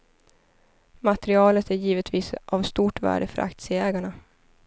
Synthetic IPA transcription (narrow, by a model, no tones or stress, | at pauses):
mat̪əɾɪɑːlət̪æɾjiːvət̪viːsʔavst̪uːʈvæ̰ːɖəfœ̰ɾʔa̰kt̪sɪəɛːɡaɳa